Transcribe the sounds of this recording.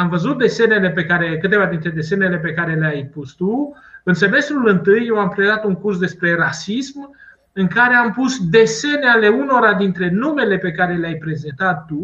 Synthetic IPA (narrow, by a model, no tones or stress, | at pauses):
amvəzut̪̚d̪e̞se̞ne̞le̞pe̞kaɾe̞kɨt̪e̞vad̪int̪ɾe̞d̪e̞se̞ne̞le̞p̬e̞kaɾe̞leajpust̪u | ɨnse̞me̞st̪ɾulɨnt̪ɨjːewampɾed̪at̪uŋkursd̪e̞spɾe̞rasism | ɨŋkaɾe̞ampusd̪e̞se̞neale̞uno̞ɾad̪int̪ɾe̞nume̞le̞pe̞kaɾe̞leajpɾe̞zent̪at̪ːu